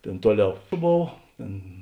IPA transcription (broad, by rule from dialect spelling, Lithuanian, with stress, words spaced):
ˈtʲeːn ˈtuɔˌlʲɛʊ ˈboːw ˈtʲeːn